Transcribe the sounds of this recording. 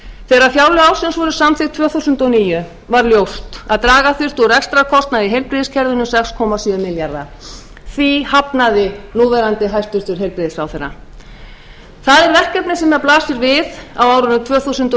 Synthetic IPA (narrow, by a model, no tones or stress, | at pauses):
θɛːɾafjawlʏaːwsɪnsvɔɾʏsamθɪ̥t̪ʰvœːθusʏnt̪ɔniːjʏ | vaɾljowst̪aðt̪ɾaːɣaθʏr̥t̪ɔrɛkst̪ɾakʰɔst̪naðɪɦejlpɾiðɪscʰɛɾðʏnʏsɛkskʰɔːmasʏːmɪljaɾða̰ | θvihapnaðɪnuːvɛɾant̪ɪɦajst̪ʏɾ̥t̪ʏɾ̥ɦejlpɾiðɪsfɾawθɛɾːa̰ | θaðɛɾvɛr̥kɛpnɪsɛmɛðaplaːsɪɾvɪðawawɾʏnʏt̪ʰvœːθusʏnt̪